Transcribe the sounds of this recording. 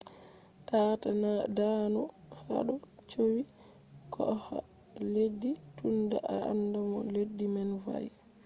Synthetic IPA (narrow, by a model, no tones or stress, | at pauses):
tatanadanɔ | ha̰ɗɔ | t͡ʃowi | kʰɔha̰ | ledːitundaʔaa̰ndamɔ̰ledːimanva̰j